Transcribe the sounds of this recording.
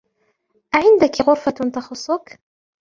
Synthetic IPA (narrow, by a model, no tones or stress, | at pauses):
ʔaʕɪnd̪akɣʊɾfat̪axʊsˤːʊk